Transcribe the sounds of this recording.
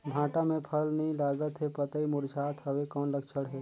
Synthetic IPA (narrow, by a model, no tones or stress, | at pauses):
bʱãːʈamẽpʰəlnəĩlaːɡət̪ɦepət̪əimʊɾd͡ʒaːt̪ɦəwekɔːnləkt͡ʃʰəɽɦɛː